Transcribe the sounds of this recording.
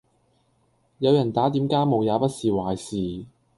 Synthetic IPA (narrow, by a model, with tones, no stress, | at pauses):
jɐ˨˧wjɐ˨˩nt̪aː˨˥t̪iː˨˥mkaː˥jmo˨wjaː˨˧pɐ˥t̚siː˨˩waː˨˩jsiː˨˩